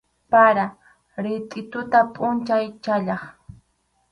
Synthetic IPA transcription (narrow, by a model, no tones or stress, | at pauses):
paɾa | ɾɪt̪ʼɪt̪ʊt̪apʼʊnt͡ʃajt͡ʃaʎɑχ